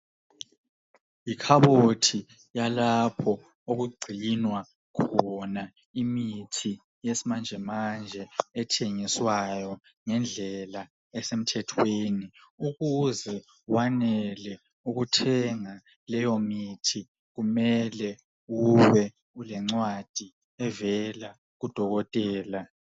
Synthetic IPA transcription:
ikʰaβotʰi | jalapʰɔ | oɣuɡ͡ǀʱinwa | kʰɔna | imitʰi | jesimand͡ʒʱɛmand͡ʒʱɛɛtʰeŋiswajɔ | ŋɛnd͡ɮʱɛla | ɛsem̩tʰɛtʰweːniuɣuzɛ | wanɛlɛ | uɣutʰɛŋa | lɛjomitʰi | ɣumɛlɛ | wuwɛ | ulɛŋ͡ǀwad̥ʱi | ɛvɛla | ɣud̥ʱɔɣɔtʼɛːla

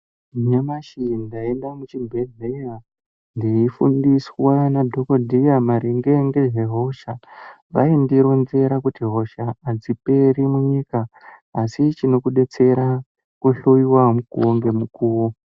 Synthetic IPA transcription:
ɲamaʃindae̞ndamut͡ʃibʱe̞ɮeja | ndiifundiswanadʱo̞ko̞dʱijamaɾiŋɡe̞ŋɡeʒe̞ɦo̞ʃa | ʋa̰indiɾonze̞ɾakutiɦo̞ʃaːd͡zipe̞ɾimuɲikaːsit͡ʃino̞kuɗe̞t͡se̞ɾa | kuɬoiwamukuwoŋɡe̞mukuːwo

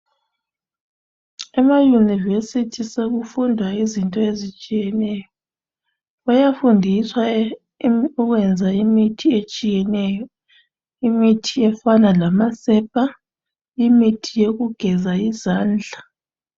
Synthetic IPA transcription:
ɛmajunivesitʰiseɣufundʱwaizintʼɔezit͡ʃʼijɛnɛjɔ | ɔjafundʱiswa | ɔɣwɛnd͡zʱaimitʰiet͡ʃʼijɛnɛːjɔ | imitʰiɛfanalamasɛp̚ʰʼa | imitʰijeɣuɡ̥ʱɛzaizaːnd͡ɮʱa

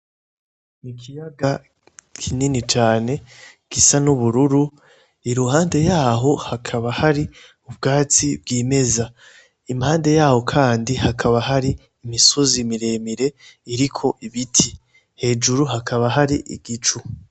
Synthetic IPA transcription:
nikʰijaɡa | kʰininit͡ʃaːne̞ | ɡ̥isanuβuɾuɾu | iɾuhaːnde̞jaːɦo̞hakʰaβahaɾi | ub̚ɡaːt͡sibɡiːme̞za | imhaːnde̞jaːho̞kʰaːndihakʰaβaɦaɾiː | misozimiɾe̞ːmiɾe̞iɾikʰo̞ʔiβitʰi | he̞ːd͡ʒuɾuɦakʰaβaɦaɾiʔḭɡ̥it͡ʃu

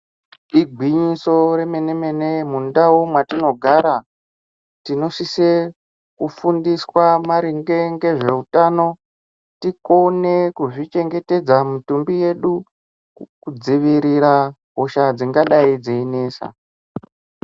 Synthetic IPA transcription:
iɡʱwiɲiso̞ɾe̞me̞ne̞me̞nemundawomwatino̞ɡʱaɾa | tino̞sise | kufundiswamaɾiŋɡe̞ŋɡe̞ʐe̞utano̞ | tikone̞kuʐit͡ʃe̞ŋɡe̞te̞d͡zamutumbije̞ɗu | kud͡ziʋiɾiɾa | ɦo̞ʃad͡ziŋɡaɗaid͡zeine̞ːsa̰

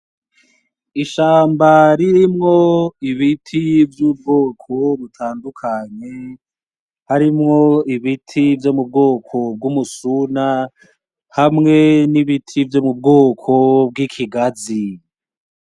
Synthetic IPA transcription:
iʃaːmbaɾiɾimŋo̞iβitʰivjuːb̚ɡoːkʰo̞βutʰaːndukʰaɲe̞ | haɾimŋo̞iβitʰivjo̞mub̚ɡoːkʰo̞b̚ɡumusuna | hamŋe̞niβitʰivjo̞mub̚ɡoːkʰob̚ɡikʰiɡazi

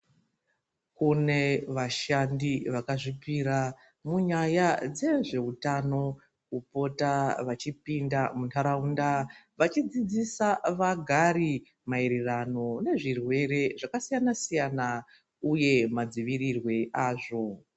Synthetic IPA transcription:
kune̞ʋaʃandiʋakaʐipiɾa | muɲajad͡ze̞ʐe̞utano̞ | upo̞taʋat͡ʃipindamuntʰaɾaundaʋat͡ʃid͡zid͡zisaʋaɡʱaɾi | maeɾirano̞ne̞ʐirwe̞ɾe̞ʐakasijanasijana | uje̞mad͡ziʋirirwe̞ʔaːʐo̞

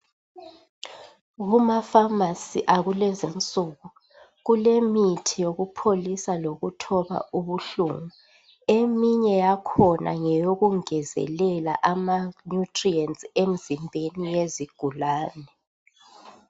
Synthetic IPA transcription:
ɣumafamasiʔaɣulɛzint͡sʼuɣu | ɣulemitʰijoɣupʰolisaloɣutʰɔβa̰uβuɬuŋu | emiɲɛjakʰɔnʔa̰ŋɛjoɣuŋɛzɛ̰lɛla̰ʔamanutʰʼriɛnsʼem̩zimbʱenijeziɡ̥ʱulaːnɛ

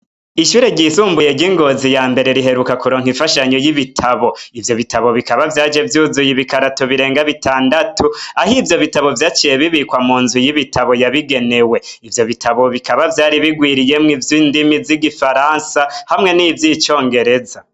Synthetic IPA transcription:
iʃuːɾe̞ɟisuːmbujeɟiŋɡo̞ːzijaːmbe̞ɾe̞ɾiɦe̞ɾukakuɾoːŋhiɱfaʃaɲo̞jiβitʰaβo̞ivjo̞βitaβo̞βikaβavjaːd͡ʒe̞vjuːzujiβikaɾatoβiɾe̞ːŋɡaβitʰaːndatʰuahivjo̞βitaβo̞vjaːt͡ʃije̞βiβikwamuːnzujiβitʰaβo̞jaβiɡe̞ne̞we̞ivjo̞βitaβo̞βikaβavjaːɾiβiɡwiːɾije̞mŋivjiːndimiziɡifaɾansahamŋe̞nivjit͡ʃo̞ːŋɡe̞ɾe̞za

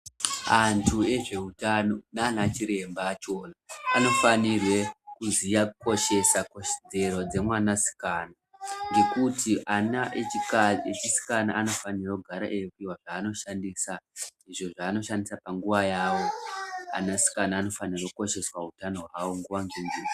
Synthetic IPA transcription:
antʰue̞ʐe̞ɦutano̞naːnat͡ʃiɾe̞mbat͡ʃo̞ːnaːno̞fanirwe̞kuzijako̞ʃe̞sako̞ʃe̥d͡ze̞ɾo̞d͡ze̞mwanasi̥kanaŋɡe̞kutʰiʔanaeikaet͡ʃisi̥kana̰ʔano̞fanirakuɡʱaɾa̰ʔejekuiwaʐaːno̞ʃandiːsaiʐo̞ʐaːno̞ʃandisapaŋɡuʋajaːwo̞a̰nasi̥kanaːno̞fanirwakuko̞ʃe̞swaɦutano̞ɦwawoŋɡuʋaŋɡeni

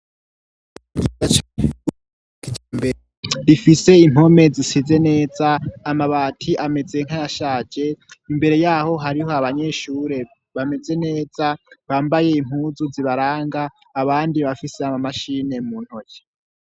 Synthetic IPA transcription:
ɡiat͡ʃ | ib | difise̞im̥o̞me̞zisize̞ne̞ːzaːmaβaːtʰiʔame̞ze̞ŋ̥ajaʃaːd͡ʒe̞imbe̞ɾe̞jaːho̞ɦaɾiɦo̞aβaɲe̞ːʃuːɾe̞ | βame̞ze̞ne̞ːzaβaːmbaje̞im̥huːzuziβaɾaːŋɡaː | βaːndiβafise̞amamaʃine̞muːn̥hoce̥

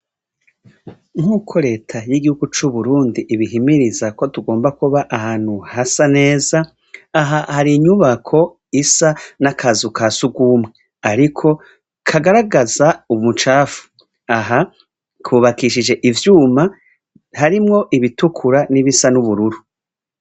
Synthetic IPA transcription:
ŋ̥huːkʰo̞ɾe̞ːtʰajiɡihuɡut͡ʃuβuɾuːndiʔːβiɦimiɾizako̞tuɡo̞ːmbakuβaʔahaːn̥huhasane̞ːzaː | ɦahaɾiɲuβakʰo̞ | isanakʰazukʰasuɡuːmwe | aɾikʰo̞ | kʰaɡaɾaɡazaumut͡ʃaːfu̥ | aɦa | kʰuːβakiʃid͡ʒe̞ʔivjuːma | haɾimŋo̞ʔiβitukʰuɾaniβisanuβuɾuɾu

